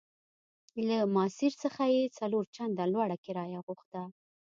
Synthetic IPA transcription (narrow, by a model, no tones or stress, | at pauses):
lamɑsɪɾsəxajet͡saloɾt͡ʃand̪alwɑɽakɪɾɑjaɣuxt̪a